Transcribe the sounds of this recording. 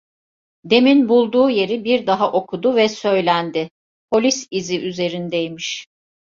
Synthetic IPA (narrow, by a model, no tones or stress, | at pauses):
d̪e̞minbulˠd̪uːje̞ɾibiɾd̪aɦaʔo̞kʰud̪uvɛsø̞jlʲænd̪ɪ | pʰo̞lʲisiziʔyze̞ɾind̪ejmiʃ